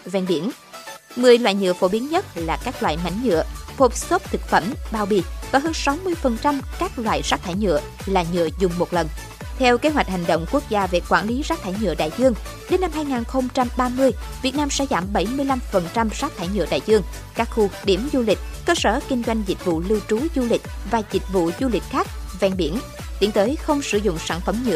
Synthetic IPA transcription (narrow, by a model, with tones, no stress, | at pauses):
vɛ˧nɓi˧˩ən | mɨ˨˩əjlwaː˧˨jɲɨ̰˧˨əfo˧˥ɓi˨˦ənɲə˦˥t̚laː˨˩kaː˦˥k̚lwa̰ː˧˨jma̰˧˥jŋ̟ɲɨ̰˧˨əfo˨˩p̚so˦˥p̚t̪ʰɨ˨˩k̚fə˧˩mɓaː˧wɓi˧˩vaː˨˩ɦəː˧nsa˨˦wmɨ˧əjfə˨˩nt͡ɕa˧mkaː˦˥k̚lwa̰ː˧˨jzaː˦˥k̚t̪ʰaː˧˩jɲɨ̰˧˨ə | laː˨ɲɨ̰˧˨əzʊ˨˩ŋ͡mmo˨˩t̚lə˨˩n | t̪ʰɛ˧wke˨˦ɦwa˨˩j̟̚ha˨˩ŋ̟ɗə̰˧˨wŋ͡mku˦˥ək̚zaː˧ve˨˩kwaː˧˩nli˨˦zaː˦˥t̪ʰaː˧˩jɲɨ̰˧˨əɗa̰ː˧˨jzɨ˧əŋ | ɗe˨˦nːa˧mhaː˧jŋaː˨˩nxə˧wŋ͡mt͡ɕa˧mɓaː˧mɨ˧əjvi˨˩ət̚naː˧msɛ̰˧˥zaː˧˩mɓə˧˩jmɨ˧əjla˧mfə˨˩nt͡ɕa˧mz̥aː˦˥k̚t̪ʰaː˧˩jɲɨ̰˧əɗa̰ː˧˨jzɨ˧əŋ | kaː˦˥k̚xu˧ɗi˧˩əmzu˧lï˨˩k̟̚kəː˧səː˧˩kï˧ŋ̟zwa˧jŋ̟zi˨˩k̟̚vṵ˧˨lɨ˧wt͡ɕu˨˦zu˧lï˨˩k̟̚vaː˨˩zï˨˩k̟̚vṵ˧˨zu˧lï˨˩k̟̚xaː˦˥k̚vɛ˧˩nɓi˧˩ən | t̪i˨˦ənt̪əː˨˦jxə˧wŋ͡msɨ˧˩zʊ̰˧˨ŋ͡msa̰ː˧˩nfə˨˧˩mɲɨ̰˧˨ə